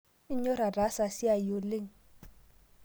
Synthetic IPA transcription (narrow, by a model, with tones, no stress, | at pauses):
ɪ˦ɲɔ˦ɾa˨ra˨˦sa˨si˦a˨jo˨le˦ŋ̩˨